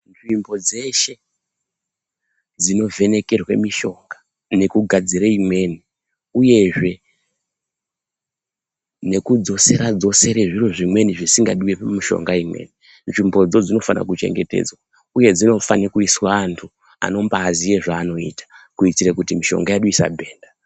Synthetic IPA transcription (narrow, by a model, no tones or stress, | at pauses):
nʐimbo̞d͡ze̞ʃe̞ | d͡zino̞ve̞ne̞ke̞rwḛmiʃo̞ŋɡa | ne̞kuɡʱad͡ziɾeimwe̞ni | uje̞ʐe̞ | ne̞kud͡zo̞se̞ɾad͡zo̞se̞ɾeʐiroʐimwe̞niʐisiŋɡaɗiwepmiʃo̞̰ŋɡaimwe̞̰ni | nʐimbo̞d͡zo̞d͡zino̞fana̰kut͡ʃe̞̰ŋɡete̞̰d͡zwa | uje̞d͡zino̞fanikuiswaːntʰu | a̰no̞mbaːzijeʐaːno̞ḭtḁkuitiɾekutimiʃo̞̰ŋɡajaɗuisa̰bʱe̞ːnda